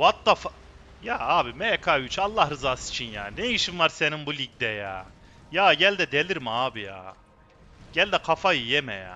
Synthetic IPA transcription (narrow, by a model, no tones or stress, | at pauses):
vat̪ːaf | jaːaːbimɛjɛkʰayt͡ʃalˠːahɾɯzaːsi̥t͡ʃʰinjaːninejiʃimːaɾseninbulʲic̚d̪ɛja̰ː | jaːɟælʲd̪ɛd̪elʲiɾmaaːbija̰ː | ɟ̥ælʲd̪ɛkʰafajɯjɛmɛ̰ja̰ː